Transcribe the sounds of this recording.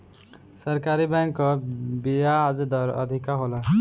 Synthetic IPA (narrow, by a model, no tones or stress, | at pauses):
səɾkaɾibɛŋkːɔbijaːd͡ʒd̪ɔɾə̰d̪ʱikaɦola